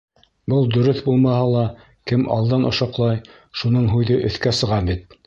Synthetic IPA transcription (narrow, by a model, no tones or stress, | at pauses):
bɤlˠd̪ɵ̆ɾɵθbulˠmɑhɑlˠɑ | kɘmʔɑ̰lˠd̪ɑnʔŏʃɑqlˠɑj | ʃunɤɴɦʉjðɘʔɵ̆θkæsɤ̆ʁɑbit̪̚